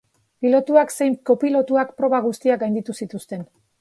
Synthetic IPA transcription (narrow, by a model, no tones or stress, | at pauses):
pilo̞t̪uakse̞jmko̞pilo̞t̪uakpɾo̞βaɣ̞ust̪iaɡajnd̪it̪usit̪ust̪e̞n